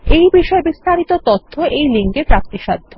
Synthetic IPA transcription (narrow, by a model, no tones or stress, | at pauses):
ejbiʃɔebist̪aɾit̪ot̪ot̪ʰːoʔejliŋkepɾap̚t̪iʃad̪ʱːo